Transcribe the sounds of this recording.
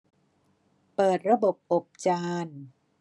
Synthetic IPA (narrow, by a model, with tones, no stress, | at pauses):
pɤː˨˩t̪̚ɾa˧bo˨˩p̚ʔo˨˩p̚t͡ɕaː˧n